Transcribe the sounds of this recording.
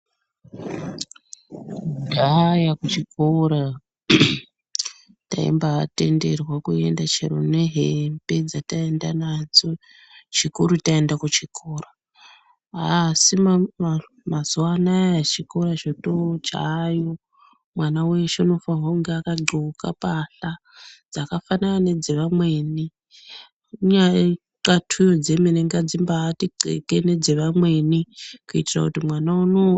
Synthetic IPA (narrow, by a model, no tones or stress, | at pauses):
ndajakut͡ʃikoɾa | ta̰ḭmbate̞nde̞rwakue̞̰ndat͡ʃeɾo̰ne̞ɦembe̞d͡zatae̞ndanad͡zo | t͡ʃikuɾutaendakut͡ʃikʰoːra | asim | mazuwanajat͡ʃikoɾat͡ʃotot͡ʃa̰jo | mwanawe̞ʃonofaɦoŋɡeakaɡ͡ǃʱuuka̰paɬa | d͡zakafananane̞d͡zeʋamwe̞ːni | ɲa | katʰujod͡zemineŋɡad͡zimbaːtiǃḛkene̞d͡zeʋamwe̞nikuitira̰kutimwanauno